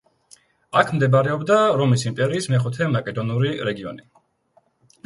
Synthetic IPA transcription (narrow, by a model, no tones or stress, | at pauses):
akʰmd̪ɛbaɾɛɔbd̪aɾɔmisimpʼɛɾiːsmɛχut̪ʰɛmakʼɛd̪ɔnuɾiɾɛɡiɔ̰ni